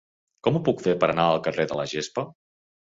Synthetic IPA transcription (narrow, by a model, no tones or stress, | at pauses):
kɔmupukfepəɾənaəlˠkəreðələʒespə